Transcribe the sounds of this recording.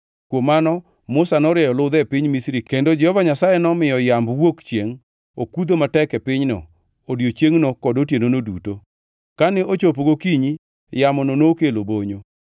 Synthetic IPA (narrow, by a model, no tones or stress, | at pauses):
kwomanɔ | mʊsanɔɾɪɛjɔlʊd̪ɛpɪɲmisɾikendod͡ʒɛhɔvaɲasajɛnɔmɪjɔjambwokt͡ʃjeŋ | okud̪omatɛkɛpɪɲnɔ̰ | odjot͡ʃjeŋnokɔdotjenonoduto | kanɛʔot͡ʃop̬ɡokiɲi | jamɔnonokeloboɲo